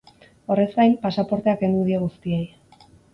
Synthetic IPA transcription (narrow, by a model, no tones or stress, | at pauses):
o̞re̞zɡajmpasapo̞ɾt̪e̞ake̞nd̪uðieɣ̞ust̪iej